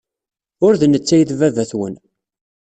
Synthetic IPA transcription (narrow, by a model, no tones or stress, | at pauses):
ʊɾðnət͡sːæjðvævæθwə̰n